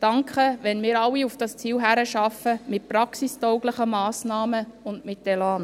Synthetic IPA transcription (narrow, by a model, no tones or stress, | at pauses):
d̥ɑŋkχəʋɛnmɪːɾɑwiufd̥ɑst͡siːwɦæɾəʃɑfəmɪt̚pɾɑksistɔʊɡləχəmɑːsnɑːməʊndmɪtːɛlɑːn